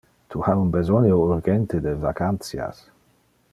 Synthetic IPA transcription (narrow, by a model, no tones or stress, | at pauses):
t̪ʰuhaunbezɔnjouɾɡɛnt̪ed̪evakant̪sja̰s